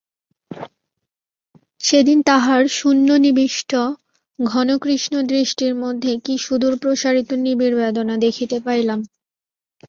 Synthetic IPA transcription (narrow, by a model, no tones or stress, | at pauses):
ʃed̪int̪aɦaɾʃunːonibiʃʈʰo | ɡʱɔnokɾiʃnod̪ɾiʃʈiɾmod̪ʱːekiʃud̪uɾpɾoʃaɾit̪onibiɾbed̪onad̪ekʰit̪epajlam